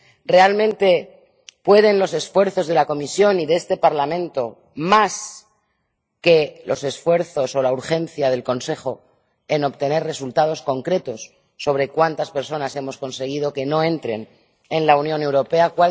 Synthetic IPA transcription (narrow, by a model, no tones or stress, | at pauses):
re̞almẽ̞nt̪e̞ | pwe̞ð̞e̞nlo̞se̞sfwe̞ɾθo̞zð̞e̞lako̞misjo̞niðeest̪e̞paɾlamẽ̞nt̪o̞ | mas | ke̞lo̞se̞sfwe̞ɾθo̞so̞lauɾxe̞nθjað̞e̞lko̞nse̞χo̞ | e̞no̞pt̪e̞ne̞ɾre̞sult̪að̞o̞sko̞ŋkɾe̞t̪o̞sː | o̞βɾe̞kwant̪aspe̞ɾso̞nase̞mo̞sko̞nse̞ɣ̞ið̞o̞ke̞no̞ẽ̞nt̪ɾe̞̰n | enlaunjõ̞ne̞wɾo̞pe̞akwa